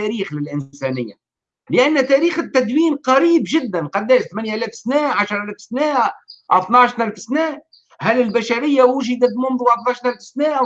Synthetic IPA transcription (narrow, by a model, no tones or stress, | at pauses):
æɾiːxlɪlʔɪnsɛnɪjːa | lɪʔænːt̪æɾiːxɪt̪ːæd̪wiːnqɑɾiːbʒɪd̪ːænqɑd̪ːæːʃt̪mænjaʔælɛfsnæːʕaʃɾˤʔælæːfsnæːʔa̰t̪nɑʕʃt̪nælfsnæːʔ | hælɪlbæʃaɾɪjːawʊʒɪd̪æt̪mʊmðˤuːʕɑbɑt̪ɑːʃt̪ælfsnæːʔ